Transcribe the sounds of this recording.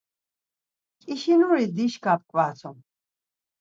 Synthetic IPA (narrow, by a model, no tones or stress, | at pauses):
kʼiʃinuɾid̪iʃkʰap̚kʼvaːt͡sʰum